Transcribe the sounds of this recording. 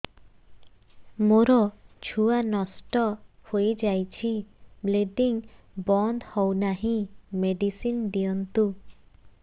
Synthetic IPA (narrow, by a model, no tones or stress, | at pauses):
moɾɔt͡ʃʰuanɔsʈɔhojd͡ʒajt͡ʃʰibleɖiŋ | bɔnd̪hɔwnaɦĩmeɖisinɖiɔnt̪u